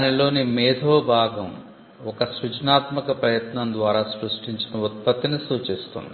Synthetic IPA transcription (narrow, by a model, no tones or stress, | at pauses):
nilo̞ːnimɛːd̪ʱoːbʱaːɡɐm | ɔkɐsɾut͡ʃnaːt̪mɐkɐpɾɐjɐt̪nɐnd̪ʋaːɾaːsɾuʂʈiɲt͡ʃinɐut̪̚pɐt̪ːinisuːt͡ʃist̪ṵnd̪i